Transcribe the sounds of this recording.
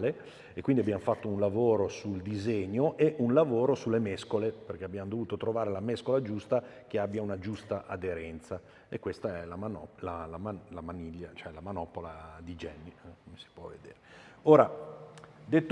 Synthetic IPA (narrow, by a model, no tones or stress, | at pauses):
le | ekːwind̪iabjamofat̪ːounlavoːɾosuld̪izeɲːoʔeʔunlavoːɾosulːemɛskoleperk̟eabːjamod̪ovuːt̪ot̪ɾovaːɾelamɛskolad͡ʒust̪ak̟eabːjaunad͡ʒust̪aʔad̪eɾɛnt̪sa | ekːwest̪aɛlamanɔlalamanlamaniʎːat͡ʃoɛlamanɔpolad̪id͡ʒɛnːikomesi̥pwɔvːḛd̪ḛːɾeoːɾa | d̪et̪ː